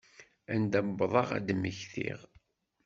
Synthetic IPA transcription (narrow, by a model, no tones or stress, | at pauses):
ænd̪æbːðˤɑʁæ̰d̪məçθḭʁ